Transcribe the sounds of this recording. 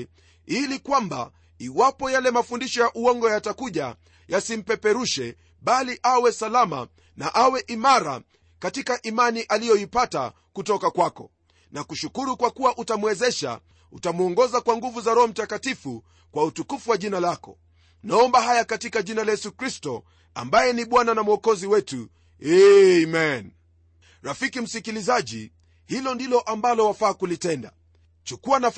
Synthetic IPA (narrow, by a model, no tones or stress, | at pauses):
ilikwamba̰ | iwapɔjalɛmafundiʃɔjaʔuɔŋɡɔjatakuʄa̰ | jasim̩pɛpɛɾuʃɛ | ɓaliʔawɛsalama̰ | naʔawɛʔimaɾa̰ | katikaʔimaniʔalijɔipata̰ | kutɔkakwakɔ̰ | nakuʃukuɾukwakuwaʔutamuwɛzɛʃa̰ | utamuɔŋɡɔzakwaŋɡuvuzaɾɔhɔm̩takatifu | kwautukufuwaʄinalakɔ̰ | naɔmbaɦajakatikaʄinalajɛsukɾistɔ | a̰mbajɛniɓwananamuɔkɔziwɛtu | ɛmɛn | ɾafikim̩sikilizaʄḭ | hilɔndilɔʔambalɔwafaːkulitɛnda̰ | t͡ʃukuana